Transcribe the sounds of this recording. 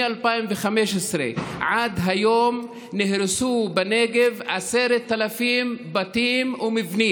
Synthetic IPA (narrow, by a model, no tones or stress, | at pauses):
alpaimveχameʃesɾḛʕad̪ɦajom | nehɾesubeneɡe̞vʕaseɾet̪ːalafimbat̪imumivni